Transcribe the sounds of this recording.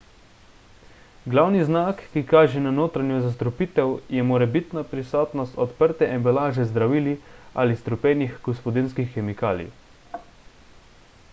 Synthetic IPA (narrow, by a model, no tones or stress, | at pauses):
ɡlawniznaːkːikaːʒɛnanoːt̪ɾanjuzas̬t̪ɾɔpiːt̪ɛwjɛmɔɾɛbit̪napɾisɔːt̪nɔst̪ɔt̪pəɾt̪ɛʔɛmbɛlaːʒɛzd̪ɾaʋiːlia̰list̪ɾɔpɛːnixɡ̥ɔspɔd̪inskixːɛmikaːlḭ